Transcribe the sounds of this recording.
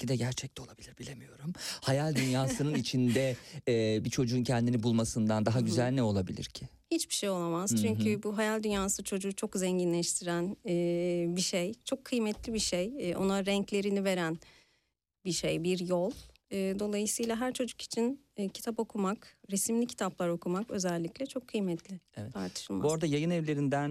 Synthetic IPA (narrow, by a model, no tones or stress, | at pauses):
id̪ɛɟæɾt͡ʃʰɛc̚t̪ɛ̞lˠabilʲiɾbilʲe̞mijo̞ɾumhajalʲd̪ynjaːsɯnɯnit͡ʃʰind̪ɛɛbit͡ʃʰo̞d͡ʒuːncʰɛnd̪inibulˠmasɯnd̪and̪aɦaɟyzælʲnɛo̞lˠabilʲḭɾcʰɪ | hit͡ʃbi̥ʃejo̞lˠamaz̥t͡ʃʰyɲcʰybuɦajalʲd̪ynjaːsɯt͡ʃʰo̞d͡ʒut͡ʃʰo̞kzɛɲɟinlʲɛʃt̪ʰiɾænɛːbiʃejt͡ʃʰo̞kʰːɯjmɛt̪lʲibiʃejo̰naɾɛɲclʲe̞ɾinive̞ɾæn | biʃejbiɾjolˠɯːd̪o̞lˠajɯsɯjlˠaɦæɾt͡ʃʰo̞d͡ʒu̥ki̥t͡ʃʰinː | cʰit̪ʰapo̞kʰumakɾesimlʲicʰi̥t̪ʰaplˠaɾo̞kʰumakø̞zɛlʲːiclʲɛt͡ʃʰo̞kʰːɯjmɛt̪ʰlʲɪevɛt̪ʰaɾt̪ʰɯ̥ʃɯlˠmaoɾd̪ajajɯnɛvlʲe̞ɾind̪æn